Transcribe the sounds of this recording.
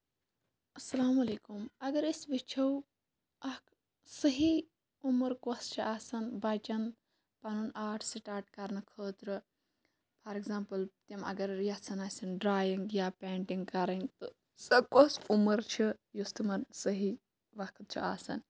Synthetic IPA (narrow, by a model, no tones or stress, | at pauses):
ɐsɐlaːmɐleːkumɐɡɐɾisbit͡ʃʰɐw | ɐk | səɦi | uməɾkost͡ʃʰiʔaːsɐnbat͡ʃɐn | panunaːʈʰsiʈaːɾʈkɐɾnɨkʰəːt̪ɾɨ | pʰɐɾeɡzaːmpɨlt̪imɐ̰ɡɐɾjɐsʰɐnaːsɐnɖɾaːjiŋɡjapeːɳʈiŋɡ̚kɐɾɐŋɡt̪ɨ | sɐb̚kosuməɾt͡ʃʰijust̪umɐɾsəɦi | ʋɐkʰt̪̚t͡ʃʰḭa̰ːsɐ̰n